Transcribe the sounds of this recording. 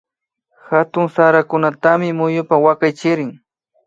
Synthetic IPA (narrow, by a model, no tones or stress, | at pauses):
xat̪ʊŋsaɾakʊnat̪amɪmʊjʊpawakajt͡ʃɪɾɪŋ